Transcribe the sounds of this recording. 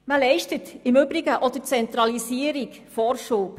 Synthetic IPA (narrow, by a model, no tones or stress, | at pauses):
məlɛɪʃtətɪmʏbɾiɡəʔɔd̪ət͡sɛnt̪ɾɑlisiəɾik | fɔɾʃuːp